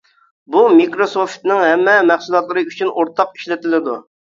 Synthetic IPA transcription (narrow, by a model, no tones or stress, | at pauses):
bumikɾosoft̪nɪŋɦɛmːɛmæχsulˠɑt̪lˠɨɾɨyt͡ʃʰynoɾt̪ʰɑqi̥ʃlɪt̪ɪlɪd̪u